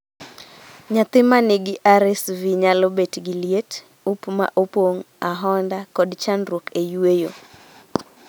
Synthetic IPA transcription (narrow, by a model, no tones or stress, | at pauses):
ɲat̪ɪmanɪɡɪʔaɾɛsviɲalɔbetɡiljet | upma̰ʔopoŋ | aɦɔndakɔdt͡ʃanɾwokʰejuwejo̰